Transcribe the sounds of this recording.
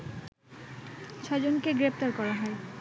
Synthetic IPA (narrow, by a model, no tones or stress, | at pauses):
t͡ɕʰɔd͡ʑonkeɡɾept̪aɾkɔɾaɦɔe